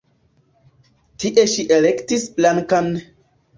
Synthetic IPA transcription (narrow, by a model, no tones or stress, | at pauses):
tiʔeʃiʔelektisblaŋkan